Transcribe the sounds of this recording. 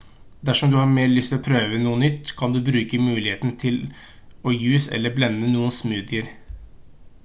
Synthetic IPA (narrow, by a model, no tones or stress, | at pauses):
d̪æʂɔmd̪ʉhɑɾmeːɾɭʏst̪ʰɪlɔpʰɾøːʋənuːənʏt̪ːkʰɑnd̪ʉbɾʉːkəmʉːlɪheːt̪nt̪ʰɪl | ɔjʉːsɛ̰lːəblɛnːənuːənsmʉːd̪ɪəɾ